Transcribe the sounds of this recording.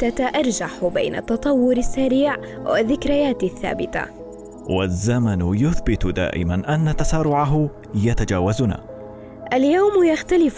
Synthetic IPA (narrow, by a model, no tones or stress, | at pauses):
t̪at̪aʔɑɾˤd͡ʒaħba̰jna̰t̪ːɑt̪ˤɑwːʊɾasːaɾiːʕ | waðːɪkɾɪjaːt̪aθːa̰ːbɪt̪a̰ | wazːamanjʊθbɪt̪d̪a̰ːʔɪ̰manʔanːat̪asaːɾʊʕaɦʊ | jat̪ad͡ʒaːwazʊna̰ː | ʔaljaːmjaxt̪alɪf